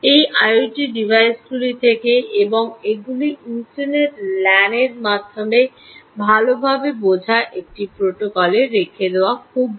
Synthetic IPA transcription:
ejʔajoʈiɖibʱajsɡulit̪ʰekeebɔŋeɡuliinʈaɾneʈlɛneɾmad̪ʱːome | bʱalobʱabebod͡ʑʱaʔek̚ʈipɾoʈokɔleɾekʰed̪eoakʰub

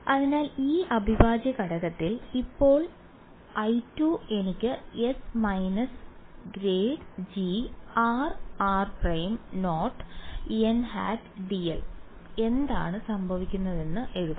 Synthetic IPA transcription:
ɐðinaːliːɐbʱibaːd͡ʑjɐkɐɽɐɣɐt̪ːilipːo̞ːɭ | ɐjtːuːe̞nikʲːɨesmɐjnɐsɡɾeːɖd͡ʑiaːraːrprɐjmno̞ːʈːenha̰ːtɖiel | e̞nd̪a̰ːɳɨsɐmbʱɐʋikʲːunːɐðe̞nːɨʔe̞ɻuðɐ

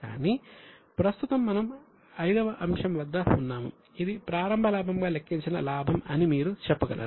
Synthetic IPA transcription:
a̰ːniːpɾɐst̪ut̪ɐmːɐnɐm | ɐjd̪ɐʋɐʔɐmʂɐmʋɐd̪ːɐunːaːmṵ | id̪ipɾaːɾɐmbʱɐlaːbʱɐmɡaːlekʰːiɲt͡ʃinɐlaːbʱɐmɐnimiːɾut͡ʃɛpːɐɡɐlʔɐ̰

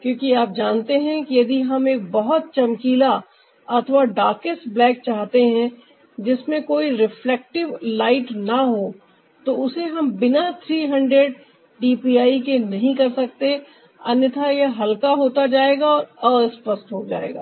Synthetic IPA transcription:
kjõːkiaːp̚d͡ʒãːnt̪eɦɛ̃kijɐd̪iɦɐmeːk̚bɐɦʊt̪̚t͡ʃɐmkiːla | ɐt̪ʰʋaɖaːkɪsblɛːk̚t͡ʃaːɦt̪eɦɛ̃ | d͡ʒɪsmẽkoːiɾɪflɛːk̚ʈɪʋlaːɪʈnɐɦo | t̪oʊseɦɐmbɪnat̪ʰɾiːɦɐ̃ɳɖɾeɖ | ɖiːpiaːikenɐɦĩkɐɾsɐk̚t̪e | ɐnjət̪ʰajeɦɐlkaɦoːt̪ad͡ʒaːeːɡaɔːɾəːspəsʈɦod͡ʒa̰ːḛːɡa̰ː

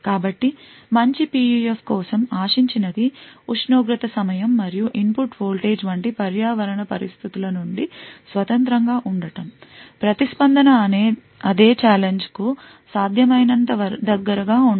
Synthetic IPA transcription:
kaːbɐʈːi | mɐɲt͡ʃipiːiefkɔːsɐmaːʂiɲt͡ʃinɐd̪iuʂnoːɡɾit̪ɐsɐmɐjɐmːɐɾijuʔimpuʈpʰoːlʈeːd͡ʒʋɐɳʈipɐɾjaːʋɐɾɐɳɐpɐɾḭst̪ʰit̪ulɐnuɳɖisʋɐt̪ɐnt̪ɾɐŋɡaːʔuɳɖɐʈɐmpɾɐt̪ispɐnd̪ʱɐnɐːneː | ɐd̪eːt͡ʃaːleɲd͡ʒku | saːd̪ʱjɐmɐjnɐnt̪ɐʋɐɾd̪ɐɡːɐɾɐɡaːuɳ

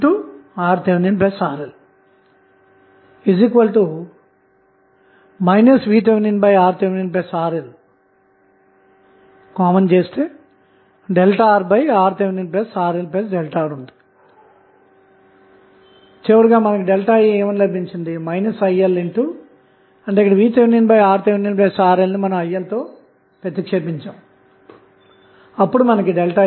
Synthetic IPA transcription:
ʈuːaːɾt̪eʋninpesaːɾel | izikʋɐlʈu | mɐjnɐsʋiːt̪̬eʋninbɐjaːɾt̪eʋninpesaːɾel | kaːmɐnt͡ʃeːst̪eː | ɖelʈaːɾbɐjaːɾt̪eʋininpesaːɾelpesɖelʈaːɾund̪i̥ | t͡ʃeːʋuɾuɡaːmɐnɐkiɖelʈaːjieːmɐnilɐbiɲt͡ʃind̪imɐjnɐsɐjːɐleɳʈuː | ɐɳʈeikːɐɽɐʋiːt̪eʋininpɐjaːɾt̪eʋininpesaːɾelnimɐnɐmɐjːɐlt̪oː | pet̪ːikʂeːpiɲt͡ʃaːm | ɐpːuɽumɐnɐkiɖelʈaː

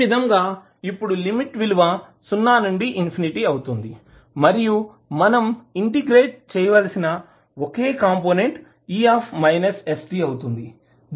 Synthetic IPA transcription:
id̪ʱɐŋɡaː | ipːuɽulimiʈʋiluʋɐ | sunːaːnuɳɖiʔinpʰiniʈiɐwut̪und̪i | mɐɾiju | mɐnɐmiɳʈiɡɾeːʈ̚t͡ʃɛːjɐʋɐlsinɐ | woke̞ːkaːmpoːne̞ɳʈ | iːaːpʰmɐjnɐsesʈiɐwut̪und̪i

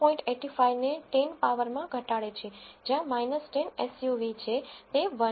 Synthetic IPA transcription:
pɔ̃ĩɳʈeʈifaineʈenpaʋəɾmãɡʱəʈaɭet͡ʃʰed͡ʒjãmajnəsʈenesjuʋit͡ʃʰet̪eʋə

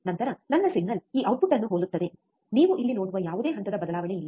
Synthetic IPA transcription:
nɐnt̪ɐɾɐnɐnːɐsiɡnɐliːʔɐwʈ̚buʈɐnːuɦoːd̪ut̪ːɐd̪e̞ | niːʋuʔilːino̞ːɽuʋɐjaːʋud̪e̞ːɦɐnt̪ɐd̪ɐbɐd̪ɐlaːʋɐɳeilːɐ

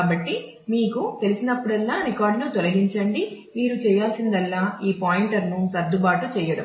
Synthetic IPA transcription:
kaːbɐʈːi | miːkut̪e̞lisinɐpːuɽɐlːaːɾikaːɾɖnut̪ɔlɐɡiɲt͡ʃɐɳɖi | miːɾut͡ʃɛːjaːlsind̪ɐlːaːiːpaːjiɳʈɐɾnusɐɾd̪ubaːʈut͡ʃɛːjɐɽɐm

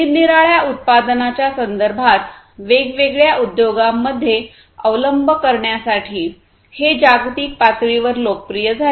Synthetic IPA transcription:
iniɾaɭjaʔut̪̚pad̪nat͡ɕjasənd̪əɾbʱat̪ | ʋeɡʋeɡɭjaʔud̪joɡamːəd̪ʱːje | əʋləmbʱəkəɾɳjasaʈʰiː | hed͡ʑaɡɾut̪iːk̚pat̪ɭiʋəɾlokəpɾijəd͡zʱa

